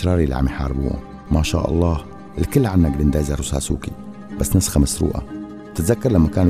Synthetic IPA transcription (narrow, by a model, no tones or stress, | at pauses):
ɾˤɑːɾjɪl̰ʕa̰miħa̰ːɾˤbṵa̰ | maːʃa̰ːʔɑ̰lˤːɑːh | ɪlkɪlːʕanːaɡd̪ɪnd̪aːzaɾˤʊsa̰ːsṵːki | basːnɪsxamasɾṵːʔa̰ | t̪ɪt̪zakːɑɾˤlamːakaːn